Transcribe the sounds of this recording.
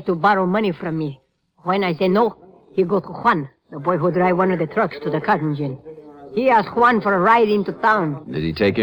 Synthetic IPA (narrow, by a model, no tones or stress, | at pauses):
tubɔɾomʌnifɾɔ̃mːi | hwɛ̃najseno | hiɡot̪ʰuxwãn | d̪əbɔjɦudɹaɪwʌ̃nɔvd̪ət̪ʰɾʌkstʰud̪əkʰatnd͡ʒɪ̃nhiæsxwãnfɔɾɹaɪɾɪ̃ntut̪ãʊ̃ndɨ̰zitʰeɪkɨ̃